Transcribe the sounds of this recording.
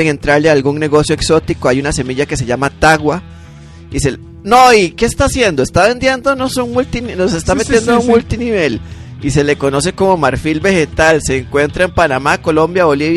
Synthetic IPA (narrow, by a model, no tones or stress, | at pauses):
eŋe̞nt̪ɾaɾlealɡuŋne̞ɣo̞sjoekso̞t̪ikoajunase̞miʝake̞se̞ʝamat̪aɣwa | ise | noike̞ːst̪aːsje̞nd̪oest̪aβe̞nd̪je̞nd̪onosoŋmult̪ininos̬est̪ame̞t̪je̞nd̪ouŋmult̪iniβe̞lise̞le̞ko̞no̞s̬e̞ko̞mo̞maɾfilbe̞xe̞t̪alse̞ːŋkwe̞nt̪ɾaempanamako̞lo̞mbjaβo̞liβj